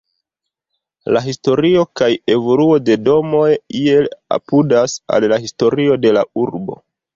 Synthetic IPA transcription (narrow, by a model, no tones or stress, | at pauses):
laɦisto̞ɾio̞kaje̞vo̞luo̞de̞do̞mo̞jie̞la̰pudasa̰llaɦisto̞ɾio̞de̞lauɾbo̞̰